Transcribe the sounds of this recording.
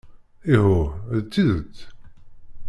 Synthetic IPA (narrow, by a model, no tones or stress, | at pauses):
iɦʊðt͡sːiðət͡sː